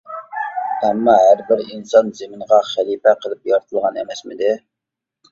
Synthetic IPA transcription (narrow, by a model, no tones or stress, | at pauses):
ɛmːɑɦæɾbɪɾinsɑnzemɪɴʁɑχælˠipɛqʰəlˠɨpjɑɾt̪ʰəlˠʁɑnḛmɛsmɪd̪ɪ